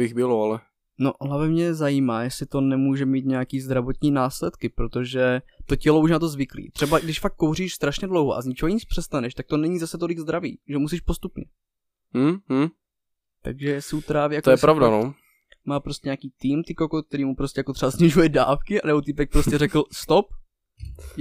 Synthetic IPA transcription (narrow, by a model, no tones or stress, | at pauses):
bɪɣbɪloalɛ | noʔɦlavɪmɲɛzajiːmaːjɛsɪt̪o̞nɛmuːʒɛmiːt̪̬ɲɛjakiːzd̪ɾavot̪ɲiːnaːslɛt̪kɪpɾot̪o̞ʒɛt̪o̞cɛlouʃ̬nat̪̬o̞zvɪklḭːt̪r̥ɛbaɡdɪʃfakːowriːʃst̪ɾaʃɲɛdlowɦoʔa̰zɲɪt͡ʃovoɲɪt͡spr̝̥ɛst̪anɛʃt̪ak̚t̪o̞nɛɲizasɛt̪o̞lɪɡzd̪ɾavḭːʒɛmusiːʃpo̞st̪upɲɛ̰ | t̪aɡʒɛjɛsɪut̪ɾaːvijakt̪ojɛpɾavdano | maːpɾo̞scɛɲaːkiːt̪iːmt̪ɪkokok̚t̪ɛɾiːmupɾo̞scʲɛjako̞t̪rɛbazɲɪʒujɛdaːfkɪa̰nɛbot̪ipɛk̚pɾoscɛrɛkl̩st̪op̚